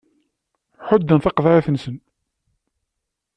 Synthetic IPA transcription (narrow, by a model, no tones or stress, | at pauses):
ħʊd̪ːənθɑqðɾæθənsən